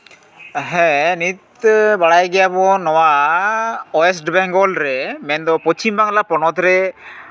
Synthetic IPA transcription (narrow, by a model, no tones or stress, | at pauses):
ɦɛnit̪baɽajɡɛjabɔnɔwa | ɔɛs̬ʈbɛŋɡɔlɾɛmɛnd̪ɔpɔt͡ʃimbaŋlapɔnɔt̪ɾɛ